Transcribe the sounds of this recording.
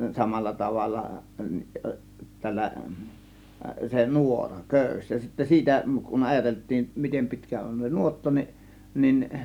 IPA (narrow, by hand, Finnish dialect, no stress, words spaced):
sɑmɑlːɑ tɑʋɑlːɑ tælːæ se nuorɑ køˑys jɑ sitːæ siːtæ kun ɑjɑteltˑiːm mitem pi̞tkæ on se nuotːɑ ni nin